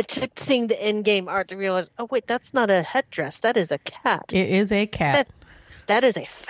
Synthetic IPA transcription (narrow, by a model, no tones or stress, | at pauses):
ɨtʰɪk̚sĩɪ̃ŋðiʔɪ̃nɡẽɪ̃mɑɹt̪̚ɨɹiəlaɪzoʊweɪt̪̚ðætsnəɾɨhɛdɹɛsðɨɾɨzɨkʰæ̰t̚ɪɾɪzɨkʰæɨt̚ | ðɨɾɨzɨf